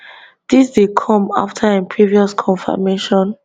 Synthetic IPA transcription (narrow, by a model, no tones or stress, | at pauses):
d̥isdekʰɔ̃ma̰ftʰaãnpʰɹiviɔskʰɔ̃nfa̰meʃɔ̃n